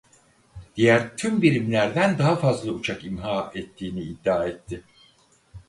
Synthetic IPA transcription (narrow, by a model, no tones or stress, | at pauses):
d̪̥ijæɾt̪ʰymbiɾimlʲæɾd̪ænd̪aɦafazlˠɯut͡ʃʰakimɦaːɛt̪ʰːiːniːd̪ːaːɛt̪ʰːɪ